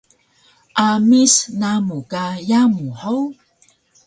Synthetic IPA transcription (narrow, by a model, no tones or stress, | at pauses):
ʔamisnamukajamuħaw